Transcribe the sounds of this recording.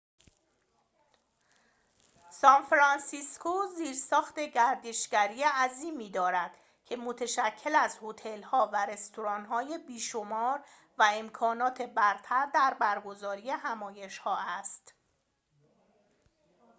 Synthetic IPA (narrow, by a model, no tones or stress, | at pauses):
sɒnfɾɑnsiskʰoziːɾsɒːxt̪e̞ɟæɾd̪eʃɡ̥æɾiːjeæziːmiːd̪ɒːɾæd̪̥ | cʰe̞mot̪ʰeʃæcʰːe̞læzhot̪ʰe̞lhɒːvæɾe̞st̪ʰoɾɒːnɦɒːje̞biːʃomɒːɾ | væe̞mkʰɒːnɒːt̪ʰe̞bæɾt̪ʰæɾd̪æɾbæɾɡo̞zɒːɾije̞ɦæmɒːje̞ʃhɒːæst̪